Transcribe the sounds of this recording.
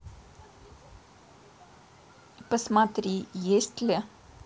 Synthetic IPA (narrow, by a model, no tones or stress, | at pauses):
pəsmat̪ɾijest̪lʲə